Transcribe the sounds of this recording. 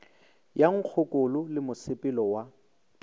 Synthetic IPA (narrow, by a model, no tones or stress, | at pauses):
jaŋ̩k͡xʰʊkʊlʊlɪmʊsɪpʼɪlɔwa